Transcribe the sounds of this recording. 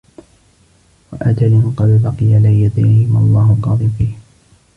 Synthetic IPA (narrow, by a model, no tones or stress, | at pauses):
waʔad͡ʒalɪnqɑd̪bɑqɨjalajad̪ajhɪmaɑlˤːɑːɦʊlqɑːd̪ˤɨmfiːh